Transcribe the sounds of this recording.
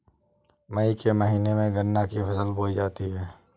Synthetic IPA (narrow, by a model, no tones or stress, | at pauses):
mɐikeməɦiːnemẽɡənːakipʰɐsəlboːid͡ʒaːt̪iɦɛː